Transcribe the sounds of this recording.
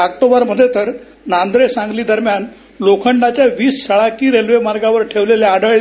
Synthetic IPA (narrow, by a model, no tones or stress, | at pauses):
ak̚t̪obaɾməd̪ʱːjet̪əɾ | nand̪ɾesãŋɡliːd̪əɾmjan | lokʰəɳɖat͡ɕjaʋiːsːəɭakiːɾelʋemaɾɡaʋəɾʈʰeʋleljaːɽəɭ